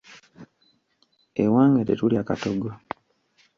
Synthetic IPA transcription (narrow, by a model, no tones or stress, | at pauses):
ewaːŋɡetḛtuljaːkatoɡo